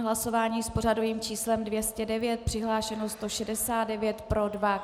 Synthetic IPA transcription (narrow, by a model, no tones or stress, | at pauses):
ɦlaso̞vaːɲiːspo̞r̝adoviːmt͡ʃiːslɛmdvjɛscɛdɛvjɛt̪̚pr̝̥ɪɦlaːʃɛnost̪oʃɛdɛsaːt̪dɛvjɛt̪pɾo̞dva